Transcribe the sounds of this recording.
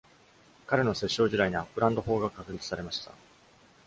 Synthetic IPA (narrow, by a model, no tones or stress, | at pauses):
kaɾe̞no̞se̞ɕːo̞ːʑiɾaiɲ̟iapːɯ̟ɾãnd̪o̞ɦo̞ːɡakakɯ̟ɾʲit͡sɨ̥saɾe̞maɕi̥t̪a̰